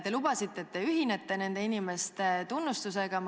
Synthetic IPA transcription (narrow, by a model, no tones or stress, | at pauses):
t̪e̞lub̥ɑsit̪ːˑe̞ːtt̪ːe̞yɦine̞t̪ːe̞ne̞nd̪̥e̞inime̞st̪e̞t̪unːust̪use̞ɡ̥ɑm